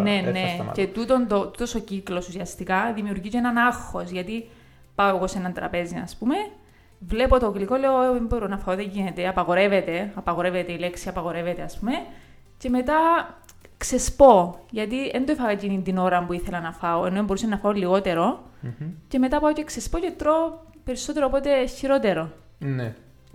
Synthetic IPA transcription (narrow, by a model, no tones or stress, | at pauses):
nenecet̪ut̪ond̪ot̪ut̪osociklosusiɐst̪ikɐðimiuɾʝiceenɐnɐxo̞sʝɐt̪i | pɐoeɣo̞senɐnt̪ɾɐ̰pe̞zinɐ̰spume̞ | vle̞pot̪oklikoleoemboɾonɐfɐoðeɲɟinet̪eɐpɐɣo̞ɾe̞vet̪e̞ɐpɐɣo̞ɾe̞vet̪eileksiɐpɐɣo̞ɾe̞vet̪eɐspume̞ | ce̞me̞t̪ɐ | kse̞spo̞ʝɐt̪iend̪oifɐɣɐcinind̪ino̞ɾɐmpuiθelɐnɐfɐoenːoemboɾusenːɐfɐolːiɣo̞t̪e̞ɾo̞ | ce̞me̞t̪ɐpɐoce̞ksespocet̪ɾo | pe̞ɾisːo̞t̪eɾoːpo̞t̪e̞çiɾo̞t̪e̞ɾo̞ | ne